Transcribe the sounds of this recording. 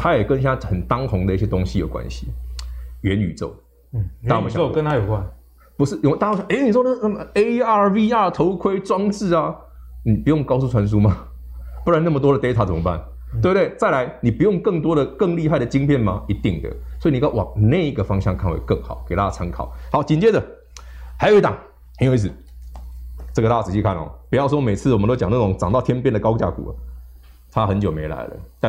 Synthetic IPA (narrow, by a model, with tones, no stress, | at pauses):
t̪ʰa˦˥jɛ˨˩kə˧˦nɕja˦xə˨˩nt̪ɑ˦ŋxʊ˨˦ŋd̪ə˧˦i˥˩ɕjɛ˧˥t̪o˥ŋɕi˧˦jo˨˩kwa̰˦nɕi˨˦ | ɥɛ˨˦ny̰˨˩t͡so̰˥˩ʊ | a˥˨˥m˨ɕo˥˨kə˦nt̪ʰa˥jo˨˩kwa˥˨n | pu˧˥ʂɻ̩˥˩˨jo˨˩˦t̪a˥˧˥o˥˩ɕʔe˥ɪni˨˩ʂwɔ˥n˥˩na˥˩mə˨e˥˦ɪa˥˧vi˥˧a˥˩t̪ʰo˨˧˥ʊkʰwe˥ɪt͡swɑ˥ŋt͡sɹ̩˥˩a˨ | ni˨˩pu˨˦jŋkɑ˥˧ʊs̬u˥˩t͡sʰwa˧˦nʂ̬u˥ma˨ | pu˥la˨˦na˥˩mə˨t̪wɔ˥d̪ə˨t̪e˥ɪtʰa˨˥˩t͡sə˨˩mə˦ba̰˥˩n | we˥˧bt̪we˥˩ɪt͡sa˥˩ɪla˧˦ɪni˨˩pu˨˦jo˥˧ŋkə˥˩ŋt̪wɔ˥ɾə˨kə˥˧ŋli˥˧ɦa˥˩ɪd̪ə˨˩t͡ɕi˥ŋpʰjɛ˥˩nma˨i˧˥t̪i˥˩ŋd̪ə̰˩swɔ˧˥i˨˩ni˨˩ka˥˩wɑ̰˨˩ŋne˥˩ɪi˦˥ɡə˩fɑ˥ŋɕjɑ˥˧ŋkʰa˥˩nwḛ˧˦kɤ˥˩ŋxɑ̰˨˩ʊke˨˩ɪt̪a˦˥ja˥˧t͡sʰa˧˥ŋkʰɑ˨˦ʊhɑ˧˦ʊt͡ɕi˨nt͡ɕjɛ˥d̪ə˨ | ha˧˥jo˨˧˦i˥t̪ɑ˨˩ŋ | hə˧njʊi˥˩s̩˨˩ | t͡sə˥˩ɡə˩a˥˩a˥˩t͡sɹ̩˨˩ɕi˥˧kʰa˥˩n˩ɔ̰˨˩pu˩jɑ˥˩ʊs̬wɔ˦me˨˩ɪt͡s̩ʰ˥˩wmə˦o˥t͡ɕɑ˨ŋna˥˩ʈ͡ʂʊ˨˧˦ŋt͡sɑ˨ŋt̪ɑ˥˩ʊt̪ʰjɛ˥npjɛ˥˨nd̪ə˩kɑ˥ʊt͡ɕja̰˥˩kṵ˨˩ə̰˩ | t̪ʰa˦xə˧˦nt͡ɕjo˨˩ʊme˧˥ɪla̰˧˥ɪlə̰˦t̪a˥˨